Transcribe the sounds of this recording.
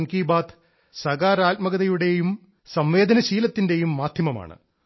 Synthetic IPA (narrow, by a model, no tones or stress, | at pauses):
nkiːbaːt̪ | sɐɡaːɾaːt̚mɐɣɐðɐjuɽe̞jum | sɐmʋe̞ːd̪ʱɐnɐɕiːlɐt̪ːinde̞jumːaːd̪ʱjɐmɐma̰ːɳɨ̰